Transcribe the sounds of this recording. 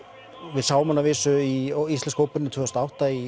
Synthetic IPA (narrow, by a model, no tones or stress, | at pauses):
vɪðsaːwmanːavɪːsʏiist̪lɛnskoːwpɪnɪt̪ʰvœːðst̪aawht̪ai